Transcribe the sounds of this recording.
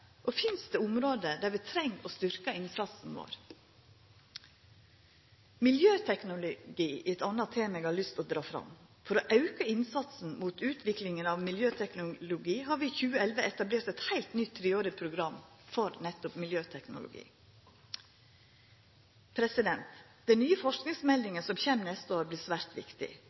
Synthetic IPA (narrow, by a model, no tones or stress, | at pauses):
ʔofɪnst̪əʊmɾoːd̪əd̪æːɾʋɪt̪ʰɾɛŋːɔst̪ʏɾkəɪnsɑt̪sn̩ʋo̰ːɾ | mɪljøːt̪ʰɛknʊlʊɡiːʔɪɛt̪ɑnːɑt̪ʰeːmɛeɡhɑɭʏst̪ɔd̪ɾɑːfɾɑ̰mfɔɾoːʔɑʉkəɪnsɑt̪sn̩muːt̪ʉːt̪ʰʋɪklɪŋənɑʋmɪljøːt̪ʰɛknʊlʊɡiːhɑːɾʋɪçʉːəɛlʋəʔɛt̪ɑbleːɾʈt̪ɛt̪hæɪlt̪nʏt̪ʰːɾeːoːɾɪpʰɾʊɡɾɑm | fɔɾnɛt̪ʊpmɪljøːt̪ʰɛknʊ̰lʊ̰ɡḭː | pʰɾɛsɪd̪ɛnt̪d̪̥ɛnyːəfɔʂknɪŋsmɛld̪ɪŋəsɔmçɛmnɛst̪əoːɾbliːsʋæːɾt̪ʋɪ̰kt̪ɪ̰